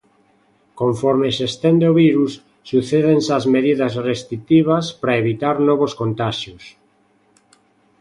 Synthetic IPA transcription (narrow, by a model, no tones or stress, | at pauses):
kõɱfɔɾmesest̪end̪eoβiɾusː | uθeðensazmeðiðɐsrest̪ɾit̪iβ̞aspɾaeβit̪aɾnɔβ̞oskont̪aʃjos